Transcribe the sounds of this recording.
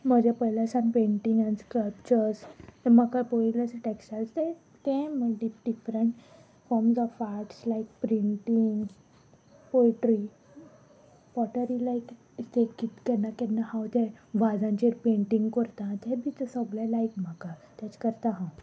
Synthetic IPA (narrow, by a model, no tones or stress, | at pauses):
m̤əd͡ʑapəjlasãnpẽɳʈĩŋɡãnt͡skəpt͡ɕəɾst̪eməkapoilaseʈeksʈalst̪e | t̪ɛ̃məɖiɖifɾəɳʈ | fɔɾmsɔʋfaʈslaik̚pɾiɳʈiŋɡ | polʈɾi | bɔʈəɾilajk | t̪ekit̪kɛnːakɛnːahãwt̪ẽʋad͡zãɲt͡ɕeɾpẽɳʈĩŋɡkəɾt̪ãt̪ɛbit͡səsəɡlalajkm̤akat̪jat͡ɕkəɾt̪ãɦãw